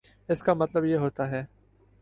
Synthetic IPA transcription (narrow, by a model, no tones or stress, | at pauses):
ɪskamɐt̪ləbjeɦoːt̪aɦɛː